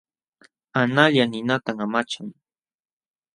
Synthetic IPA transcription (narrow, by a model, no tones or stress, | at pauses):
anaʎanɪnat̪aŋamat͡ʃaŋ